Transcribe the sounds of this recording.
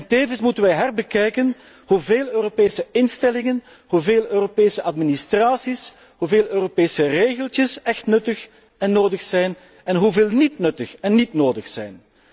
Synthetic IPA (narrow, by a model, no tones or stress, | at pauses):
nteːvənsmutənʋɛjɦarbəkɛjkən | huveːløːropeːsəɪnstɛlɪŋən | huveːlˠøːropeːsəʔɑdministraːsis | huveːlˠøːropeːsəreːɣəlˠtjəsɛxtnɵtəx | ɛnːoːdəxsɛjn | ɛnɦuveːlˠnitnɵtəxɛnːitnoːdəxsɛ̰jn